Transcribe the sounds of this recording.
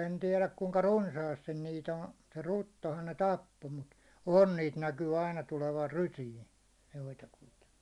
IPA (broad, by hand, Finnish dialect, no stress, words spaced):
en tiɛlæk kuŋkɑ runsɑːstin niːt on se rutːohɑn ne tɑpːo mut on niːt nækyː ɑinɑ tuleʋɑr rysiːn̞ joitɑkuitɑ